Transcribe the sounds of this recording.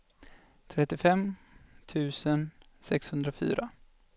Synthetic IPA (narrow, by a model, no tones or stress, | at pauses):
t̪ʰɾɛt̪ːɪfɛm | t̪ʰʉ̟ːsən | sɛkshɵnd̪ɾafy̰ːɾa